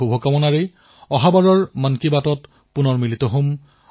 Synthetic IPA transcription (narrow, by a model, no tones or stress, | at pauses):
obʱɔkamɔnaɹe | ɔɦabaɹɔɹmankibatɔt | pʊnɔɹmilitɔɦom